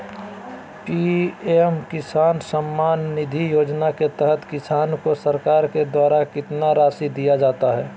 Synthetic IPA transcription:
piemkɪsaːnsəmːaːnːɪd̪ʱijoːd͡ʒnaket̪ɛɦət̪kɪsaːnkosəɾkaːɾked̪waːɾakɪt̪naɾaːsid̪ijad͡ʒaːt̪aɦɛː

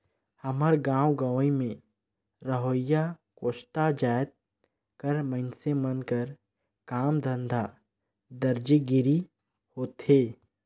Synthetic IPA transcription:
həməɾɡãːwɡaːwimẽ | ɾəɦoːjakoːʃʈad͡ʒaːjt̪̚ | kəɾməɪnsemənkəɾ | kaːmd̪ə̃nd̪ʱa | d̪əɾd͡ʒiɡɪɾi | hoːt̪heː

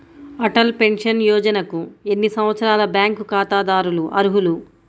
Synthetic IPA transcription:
ɐʈɐlpe̞nʂɐnjɔːd͡ʒɐnɐkue̞nːisɐmʋɐt̪sɐɾaːlɐbjaːŋkukaːt̪aːd̪aːɾuluʔɐ̰ɾuɦulu

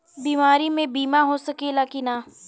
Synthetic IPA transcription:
biːmaːɾimẽbiːmaɦosɐkelaːkinaː

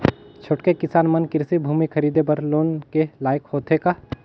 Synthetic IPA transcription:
t͡ʃʰoʈkekɪsaːnmənkɪɾsibʱuːmikʰɐɾiːd̪ebəɾloːnkelaːɪkhoːt̪ɦekaː

